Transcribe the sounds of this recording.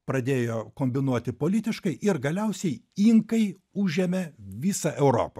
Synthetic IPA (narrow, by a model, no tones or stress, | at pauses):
pɾɐd̪ʲeːjoːkoːmʲbʲɪnuɔt̪ʲɪpoːlʲɪt̪ʲɪʃkɐɪʔɪɾɡɐlʲɛʊsʲɛɪiːŋkɐɪ | ʊʒʲɛmʲɛʋʲiːsɐʔɛʊɾo̰ːpɐ